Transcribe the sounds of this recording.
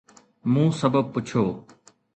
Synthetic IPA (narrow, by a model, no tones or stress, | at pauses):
mũːsəbəb̚pʊt͡ʃʰoː